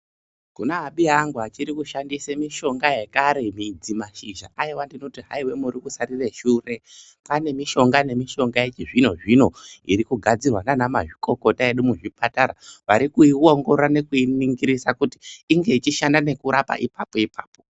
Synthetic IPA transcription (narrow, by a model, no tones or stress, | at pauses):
kunaɦaɓiaŋɡuɦat͡ʃiɾikuʃandisemiʃo̞ŋɡaje̞kaɾe̞mid͡zimaʃiʒa̰aiwandino̞tiɦa̰iwe̞muɾikusarireʃuːre̞ | pane̞miʃo̞ŋɡane̞miʃo̞ŋɡaet͡ʃiʐino̞ʐino̞iɾikuɡʱad͡zirwananamaʐiko̞ko̞taje̞ɗumuʐipataɾaʋaɾikuiwo̞ŋɡo̞rane̞kuiniŋɡiɾisakuti̥ːŋɡe̞it͡ʃiʃandane̞kuɾapa̰ʔipapo̞ipaːpo